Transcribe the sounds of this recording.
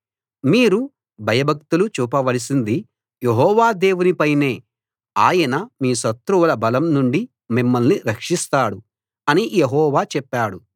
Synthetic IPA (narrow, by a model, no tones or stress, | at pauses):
miːɾu | bʱɐjɐbʱɐk̚t̪ulut͡ʃuːpɐʋɐlis̬ind̪i | jeɦɔːʋaːd̪e̞ːʋunipɐjne̞ː | aːjɐnɐmiːsɐt̪ɾuʋlɐbɐlɐmnuɳɖi | mimːɐlniɾɐkʂist̪aːɽu | ɐnijeɦɔːʋaːt͡ʃɛpːaːɽu